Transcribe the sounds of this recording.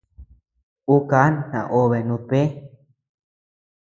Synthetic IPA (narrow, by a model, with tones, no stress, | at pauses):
u˦ka˨˦nnã̰˨ʔo˧βe˨nũ˧t̪e˦